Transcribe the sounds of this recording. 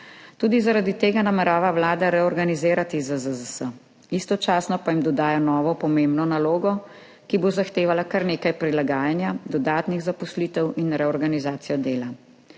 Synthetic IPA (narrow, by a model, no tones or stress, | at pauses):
t̪uːd̪izaɾad̪it̪eːɡanamɛɾaːʋawlaːd̪aɾɛɔɾɡanizeːɾat̪izəzəzəsə | ist̪ɔt͡ʃaːsnɔpajimd̪ɔd̪aːjanɔːʋɔpɔmembnɔnaloːɡɔ | kibozaxt̪eːʋalakaɾneːkajpɾilaɡaːjanjad̪ɔd̪aːt̪niɣzapɔsliːt̪ɛwinɾɛɔɾɡanizaːt̪sijɔd̪eːla